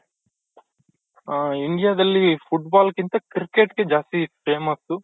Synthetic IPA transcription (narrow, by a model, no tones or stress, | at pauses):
iɳɖijaːd̪ɐlːipʰuʈbaːlkint̪ɐkɾikeʈɡe̞d͡ʒaːst̪ipɾeːmɐst̪u